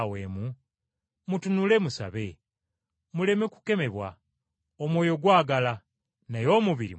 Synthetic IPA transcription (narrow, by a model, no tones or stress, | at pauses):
we̞ːmu | mutunule̞musa̰βe̞ | mule̞me̞ku̥ke̞me̞βwa̰ | omwo̞ːjo̞ɡwaːɡala | najo̞ːmuβiɾḭ